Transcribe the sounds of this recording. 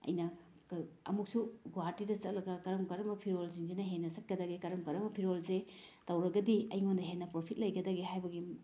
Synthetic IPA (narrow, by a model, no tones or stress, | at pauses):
ɐ̰jnɐ | ɐ̰muk̚suɡwaɾtidɐsɐt̚lɐɡɐkɐɾɐmkɐɾɐmɐpʰiɾolziŋdinɐɦenːɐsɐt̚ɡɐdɐɡekɐɾɐmkɐɾɐmbɐpʰiɾolsetɐwɾɐɡɐdiɐ̰jŋondɐɦenːɐpɾopʰit̚lɐjɡɐdɐɡeɦajbɐɡi